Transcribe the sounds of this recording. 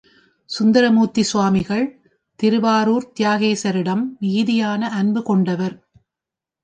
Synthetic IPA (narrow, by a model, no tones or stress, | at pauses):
sʊnd̪ɐɾɐmuːt̪ːisʊʋaːmɪɣɐɭ | t̪ɪɾɯbaːɾuːɾt̪ɪjaːɣeːsɐɾɪɽɐmnɪɣɪðɪjaːnɐʔɐnbɯkɔɳɖɐʋɐɾ